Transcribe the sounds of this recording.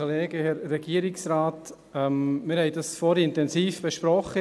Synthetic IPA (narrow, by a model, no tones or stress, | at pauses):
oleːɡ̥əhɛɾːɛɡ̥iəɾiksɾaːt̪ | ɛmmɪɾhɛɪdɑsfɔɾiɪntɛnsiːfb̥ɛʃpɾɔχːə